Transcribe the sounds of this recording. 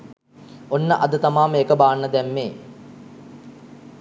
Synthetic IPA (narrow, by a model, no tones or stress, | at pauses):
onːəʔɐd̪ət̪amaːmeːkəbaːnːəd̪ɛmːeː